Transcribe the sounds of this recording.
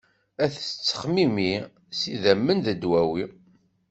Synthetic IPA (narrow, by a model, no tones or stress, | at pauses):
æθə̥t͡sːə̥χmimi | siðæmːənðəd̪wæwi